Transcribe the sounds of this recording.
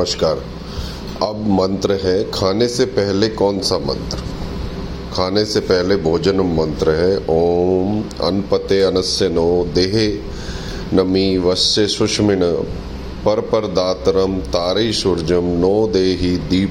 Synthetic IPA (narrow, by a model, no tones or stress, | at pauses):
əʃkaːɾ | ɐbmɐ̃nt̪ɾəɦɛkʰaːnesepɛɦlekɔːnsamɐ̰̃nt̪ɾə | kʰaːnesepɛɦlebʱoːd͡ʒənəmːɐ̃nt̪ɾəɦɛʔoːmɐ̰npət̪eɐnəsjənoːd̪eːɦe | nɐmiʋɐst͡ʃesʊʃmɪɳ̃ | pɐɾpəɾd̪aːt̪ɾəmt̪aːɾeiʃʊɾd͡ʒəmnɔːd̪eːɦid̪iː